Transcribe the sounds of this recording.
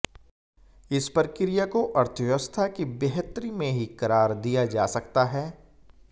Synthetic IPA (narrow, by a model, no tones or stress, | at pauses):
ɪspɐɾkɪɾijakoʔɐɾt̪ʰəjʋəst̪ʰakibeɦət̪ɾimẽɦikɐɾaːɾd̪ijad͡ʒa̰ːsɐkt̪aɦɛː